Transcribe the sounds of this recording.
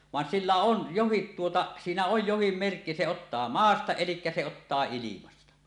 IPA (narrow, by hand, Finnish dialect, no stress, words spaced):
ʋɑn silːæ on johit tuotɑ siːnæ oj johim merkːi se otːɑː mɑːstɑ elikːæ se otːɑː ilimɑstɑ